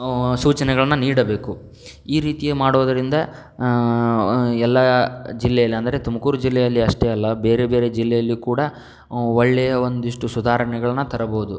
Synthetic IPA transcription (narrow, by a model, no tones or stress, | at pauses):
suːt͡ʃɐnɛɡɐɭɐnːɐniːɽɐbe̞ːku | iːɾiːt̪ijemaːɽoːd̪ɐɾind̪ɐ | ɛlːɐd͡ʒilːɛjɐlːiɐnd̪ɐɾet̪umɐkuːɾud͡ʒilːɛjɐlːiɐʂʈɛɐlːɐbe̞ːɾebe̞ːɾed͡ʒilːɛjɐlːikuːɽɐ | ɔɭːɛjɐond̪iʂʈusud̪ʱaːɾɐɳɛɡɐɭɐnːɐt̪ɐɾɐboːud̪u